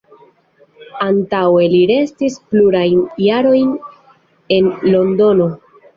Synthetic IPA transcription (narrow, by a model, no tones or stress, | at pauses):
antawe̞liɾe̞stispluɾajnjaɾo̞jn | e̞nlo̞ndo̞no̞